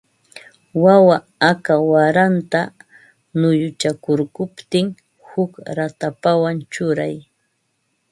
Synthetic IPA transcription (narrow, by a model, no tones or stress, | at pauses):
wawa | akawaɾant̪a | nʊjʊt͡ʃakʊɾkʊpt̪ɪŋ | hʊkɾat̪apawant͡ʃʊɾaj